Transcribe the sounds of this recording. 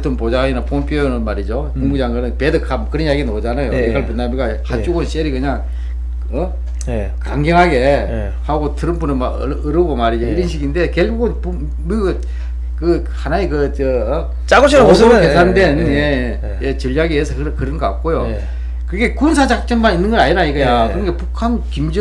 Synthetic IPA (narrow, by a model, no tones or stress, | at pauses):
t͈onpod͡ʑainapʰompʰioonɯnmaɾid͡ʑo | kuŋmud͡ʑaŋɡɯnɯnpedɯkʰamkɯɾʌnjaɡinod͡ʑanajoeaɭpunːamiɡa | hat͡ɕ͈uɡonɕeɾikɯɲaŋ | ʌ | kaŋɡeŋɦaɡe̞ | haɡotɯɾɯnpunɯma | ɯɾɯɡomaɾid͡ʑoiɾʌnɕ̬ʰiɡinde̞keɭɡuɡɯnpu | miɯ | kɯ | hanaekɯt͡ɕɯ | t͡ɕaɡoɕʰiokesʰandwe̞nje | jet͡ɕɯʎːjaɡiɦesʰʌkɯkɯɾɯnɡʌk͈ak̚k͈ojo | kɯɡe̞kunsʰad͡ʑak̚t͡ɕ͈ʌmmaninːɯnɡʌɾaɲinaiɡɯjakɯɾɯnɡepukʰankimd͡ʑɯ